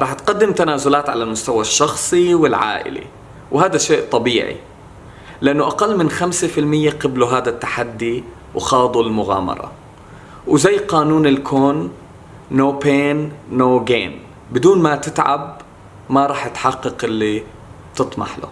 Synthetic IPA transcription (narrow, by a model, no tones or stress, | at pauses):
ɾˤɑːħt̪qad̪ːɪmt̪anaːzʊlaːt̪ʕa̰lalmʊst̪awaʃːɑxsˤiwɪlʕa̰ːʔɪ̰lḭ | whaːd̪aʃeːʔt̪ˤɑbiːʕḭ | lɪʔanːʊʔaqalːmɪnxamsefɪlmɪjːaqɪbluɦaːd̪at̪ːaħad̪ːi | wxɑːd̪ˤulmʊɣa̰ːmɑ̰ɾˤɑ̰ | wzajːqɑːnuːnɪlkʰoːnː | oːpeːnːoːɡḛːn | bɪd̪uːnmat̪ɪt̪ʕa̰b̚ | maɾˤɑːħɪt̪ħɑqːɑqʔɪlːi | t̪ɨt̪ˤmɑ̰ħlʊ̰